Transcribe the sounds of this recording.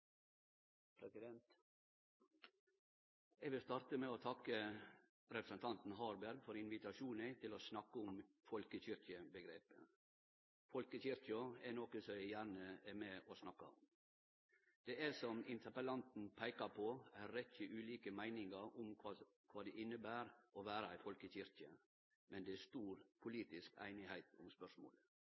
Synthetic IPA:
pʰɾɛsɪd̪ɛnt̪ | ɛɡʋɪlst̪ɑːɾt̪əmɛot̪ʰɑkːə | ɾɛpɾəsənt̪ʰɑnt̪n̩ɦɑːɾbæɾɡfɔɾɪnʋɪt̪ɑʃuːnæɪt̪ʰɪloːsnɑkːəʊm | fɔlkəçʏɾkɪəbəɡɾeːpə̰ | fɔlkəçʏɾkɪɑænɔkəsɔæɪjæːɾɳəɛɾmɛɔsnɑkːɑ̰ʊm | d̪̥ɛæsɔmɪnt̪ʰəpəlɑnt̪n̩pʰæɪkɑpʰoæɾɛt͡ʃəʔʉːliːkəmæɪnɪŋɑɾʊmkʰʋɑ | kʰʋɑːd̪ɛʔɪnːəbæːɾɔʋæːɾəæfɔlkəçɪɾkə | mɛnd̪ɛæʂt̪uːɾpʰʊliːt̪ɪskæ̰ɪnɪhæɪt̪ʊ̰mspœʂmo̰ːlə

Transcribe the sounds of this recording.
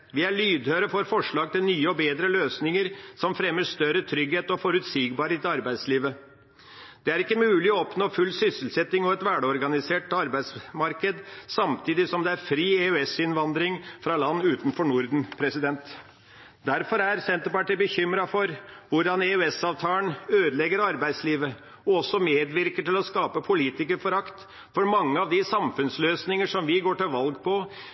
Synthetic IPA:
ʋɪæɭyːd̪høːɾəfɔɾfɔʂɭɑːɡt̪ɪlnyːəɔbeːd̪ɾəløːsnɪŋəɾsɔmfɾɛmːəʂt̪œɾət̪ʰɾʏɡheːt̪ɔfɔɾʉt̪siːɡbɑɾheːt̪ɪɑɾbæɪsliːʋə | d̪̥ɛæɾɪkːəmʉːlɪɔɔpnoːfʉlːsʏsəlsɛt̪ːɪŋɔɛt̪ʋæɖəɔɾɡɑnɪseːʈɑɾbæɪd̪smɑɾkəd̪sɑmt̪ʰiːd̪ɪsɔmd̪ɛæɾfɾiːeʉɛsɪnʋɑnd̪ɾɪŋfɾɑlɑnːʉːt̪n̩fɔɳʊɾd̪n̩pʰɾɛsɪd̪ɛnt̪ | d̪æɾfɔɾæɾsɛnt̪əɾpɑʈibəçʏmɾɑfɔɾʋʊɖɑnɛʉɛsɑːʋt̪ʰɑːənøːd̪əlɛɡəɾɑɾbæɪd̪sliːʋə | ɔɔsːɔmeːd̪ʋɪɾkəʈɪlɔskɑːpəpʰʊliːt̪ɪkəɾfɔɾɑkt̪ | fɔɾmɑŋːəɑʋd̪ɪsɑmfʉnsløːsnɪŋəʂɔmʋɪɡoːʈɪlʋɑlɡpʰɔ

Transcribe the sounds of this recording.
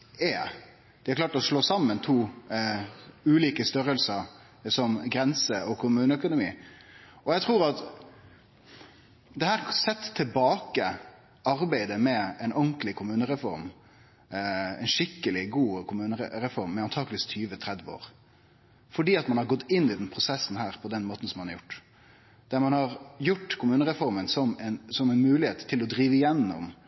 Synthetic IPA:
ɛ | d̪̥ɪhɑklɑːʈɔsloːsɑmːənt̪ʰuː | ʉːliːkəst̪œɾəlsəɾ | sɔmɡɾɛnsəɔkʰʊmʉːnəœkʊnʊmḭː | ɔjæɡt̪ʰʁuːʁɑt̪ | d̪ɛhæːɾsɛt̪ʰːɪlbɑːkə | ɑɾbæɪd̪əmɛɛɪnɔŋklɪkʰʊmʉːnəɾɛfɔɾm | ɛ̰ɪnʂɪkːəlɪɡuːkʰʊmʉːnəɾɛɾɛfɔɾmːɛɑnt̪ʰɑːklɪst̪ʰyːʋət̪ʰɾɛd̪ʋəo̰ːʁ | fɔɖiːɑt̪mɑnhɑɾɡɔt̪ːɪnːɪd̪ɛnpʰʁʊsɛsːn̩ɦæːɾpʰɔd̪ɛnmoːt̪n̩sɔmːɑnɑɾjʊʈː | d̪̥æɾmɑnhɑɾjʊʈːkʰʊmʉːnəɾɛfɔɾmənsɔmɛnsɔmɛɪnmʉːlɪeːt̪ʰːɪlɔd̪ɾiːʋəɪjɛnːɔ̰m

